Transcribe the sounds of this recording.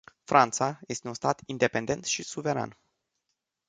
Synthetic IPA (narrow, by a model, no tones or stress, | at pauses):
fɾʔant̪saje̞st̪e̞unst̪at̪ind̪e̞pend̪e̞nt̪ʃisuve̞ɾa̰n